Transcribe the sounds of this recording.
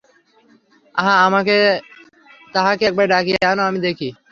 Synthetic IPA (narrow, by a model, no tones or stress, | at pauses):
əɦãːəmãːkʰeː | t̪əɦãːkeːk̚ɓeːɗaːkiːaːnoːaːmĩːd̪eːkʰiː